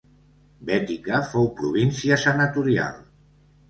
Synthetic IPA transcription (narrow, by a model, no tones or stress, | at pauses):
bɛt̪ikəfowpɾuβ̞insiəsənat̪uɾia̰lˠ